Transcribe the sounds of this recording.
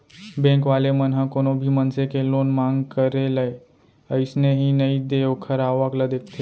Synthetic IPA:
bɛ̃ːŋkʋaːlemənɦãkoːnõbʱimənsekeloːnmãːŋɡkəɾeləe | əɪsneɦinɐid̪eokʰəɾaːʋakləd̪eːk̚ʰt̪ʰe

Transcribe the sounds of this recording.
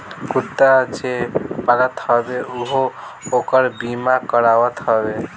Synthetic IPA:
kut̪ːad͡ʒepalət̪ɦɔbeuɦookəɾbimakɔɾawət̪ɦɔbe

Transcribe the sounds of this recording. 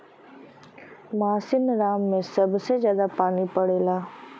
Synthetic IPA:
maːsɪnɾaːmːẽsɐbsezjaːd̪apaːnipɐɽeːlaː

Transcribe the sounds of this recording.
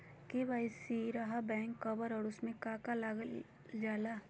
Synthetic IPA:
keʋaːisiɾaɦabɛ̃ːŋkːɐbəɾɔɽʊsmẽkaːkalaɡl | d͡ʒaːlaː

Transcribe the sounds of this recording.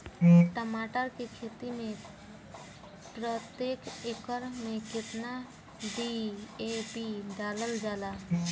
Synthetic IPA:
ʈəmaʈəɾkekʰet̪imẽ | pɾət̪jekekəɾmẽkɪt̪na | ɖiepiɖaləld͡ʒaːla

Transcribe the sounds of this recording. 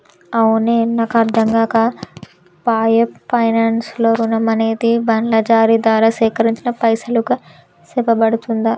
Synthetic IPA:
ɐwuneːnːaːkɐɾd̪ʱɐŋɡaːkɐ | paːjepːɐjnaːnsloːɾunɐmɐneːd̪ibɐnlɐd͡ʒaːɾid̪aːɾɐːsɛːkɐɾiɲt͡ʃinɐpɐjsɐluku | sɛbɐbɐɽut̪und̪ɐ

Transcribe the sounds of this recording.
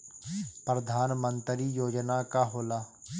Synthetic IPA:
pɾəd̪ʱaːnmə̃nt̪ɾijoːd͡ʒnakaɦoːlaː

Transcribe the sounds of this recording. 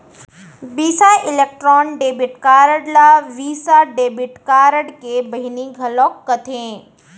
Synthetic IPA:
biːsaɪleːk̚ʈɾɔːnɖeːbɪʈkaːɾəɽlaʋiːsaɖeːbɪʈkaːɾəɽkeːbɐɦiniɡʱɐlɔːkːət̪ʰẽː

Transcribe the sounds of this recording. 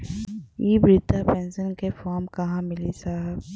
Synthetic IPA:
iːbɾɪt̪apɛ̃ːnsənkefɔːɾmkɐɦãmɪlisaːɦəb

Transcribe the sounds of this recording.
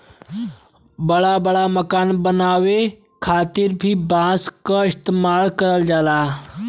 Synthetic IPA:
bɐɽabɐɽamɐkaːnbənaːʋe | kʰaːt̪ɪɾbʱibãːskəɪst̪eːmaːlkɐɾəld͡ʒaːlaː

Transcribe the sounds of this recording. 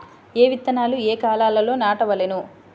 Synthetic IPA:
eːʋit̪ːɐnaːlueːkaːlaːlɐlo̞ːnaːʈɐʋɐlenu

